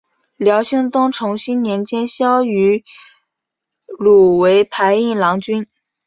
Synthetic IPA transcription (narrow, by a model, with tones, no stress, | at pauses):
ljɑ˧˥ʊɕi˥ŋt̪ʊ˥ŋʈ͡ʂʰʊ˧˥ŋɕi˥nnjɛ˧˥nt͡ɕjɛ˥nɕjɑ˥ʊy˧˥ | lu˨˩we˧˥ɪpʰa˧˥ɪi˥˩lɑ˧˥ŋt͡ɕy˥n